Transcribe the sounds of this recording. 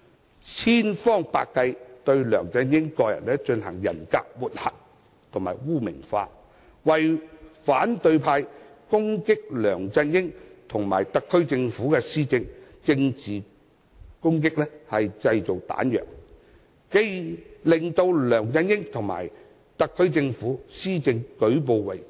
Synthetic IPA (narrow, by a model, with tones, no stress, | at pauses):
t͡sʰiː˥nfɔː˥ŋpa̰ː˧kkːɐ˧jt̪ɵ˧ɥlœː˨˩ŋt͡sɐ˧njɪ˥ŋkɔː˧jɐ̰˨˩nlɛː˥t͡ʃɵ˧nhɐ̰˨˩ŋjɐ̰˨˩nka̰ː˧k̚muː˨t̚hɐ˨t̚ | t̪ʰʊ˨˩ŋmaː˨˩jwuː˥˩mɪ̰˨˩ŋfa̰ː˧ | wɐ˨˩jfaː˨˥nt̪ɵ˧ɥpʰaː˧jkʊ˥ŋkɪ˥k̚lœː˨˩ŋt͡sɐ˧njɪ˥ŋt̪ʰʊ˨˩ŋma̰ː˨˩jt̪ɐ˨kʰːɵ˥ɥt͡sɪ˧ŋfuː˨˥kɛː˧siː˥t͡sɪ˧ŋ | t͡sɪ˧ŋt͡siː˨˩ | kʊ˥ŋk̬ɪ˥k̚lɛː˥hɐ˨jt͡sɐ˧jt͡so˨wt̪a̰ː˨˥njœ̰ː˨ŋ | ke˧˥jlɪ˨˩ŋt̪o˧wlœː˨˩ŋt͡sɐ˧njɪ˥ŋt̪ʰʊ˨˩ŋma̰ː˨˩j | t̪ɐ˨kʰːɵ˥ɥt͡sɪ˧ŋfuː˨˥siː˥t͡sɪ˧ŋkɵ˨˥ɥp̬o˨˧wwɐ˨˩j